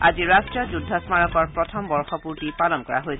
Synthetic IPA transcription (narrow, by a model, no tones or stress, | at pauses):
aziɹastɹijɔzudʱːɔsmaɹɔkɔɹpɹɔtʰɔmbɔɹxɔpuɹtipalɔnkɔɹa̰ɦojsʰɛ